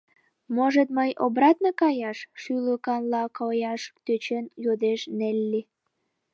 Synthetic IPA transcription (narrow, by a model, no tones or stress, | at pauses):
moʒət̪̚məjo̰brɑt̪̚nokɑjɑʃʃyləkɑnlɑkojɑʃt̪øt͡ɕenjod̪eʃnelʲːi